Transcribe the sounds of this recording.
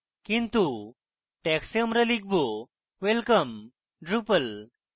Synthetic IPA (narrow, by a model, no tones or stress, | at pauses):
kint̪u | ʈɛksiəmɾəliɡ̚bo | ʋelkəm | ɖɾupəl